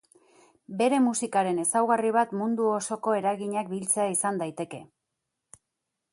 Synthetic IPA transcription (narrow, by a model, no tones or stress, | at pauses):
be̞ɾe̞musikaɾe̞ne̞sawɣariβ̞at̪mund̪uo̞so̞ko̞e̞ɾaɣiɲak̚bilt͡se̞aisand̪ajt̪e̞ke̞